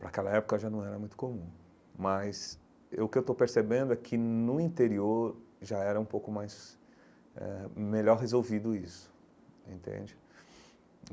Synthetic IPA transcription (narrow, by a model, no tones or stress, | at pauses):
pɾɐkɛlɐɛpʊkɐʒanɐ̃w̃ɛɾɐmũj̃t̪ʊ̥komũ | mɐs | eʊkɪewt̪owpeɾsebẽnd̪ʊɛkʰɪnʊĩt̪eɾioɾʒaɛɾɐũpowkʊmajz | ɛ̰meʎɔɾɦezowvid̪ʊisʊ̥ | ḛ̃nt̪ḛ̃d͡ʒɪ